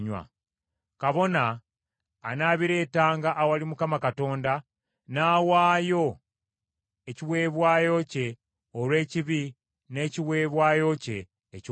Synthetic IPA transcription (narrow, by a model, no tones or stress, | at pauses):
ɲwa̰ | kaβo̞naː | naːβiɾe̞ːtaːŋɡaʔːwalimukamakato̞ːnda | naːwaːjo̞ | eciwe̞ːβwaːjo̞ce̞ | olwe̞ːciβi | ne̞ciwe̞ːβwaːjo̞ce̞ː | c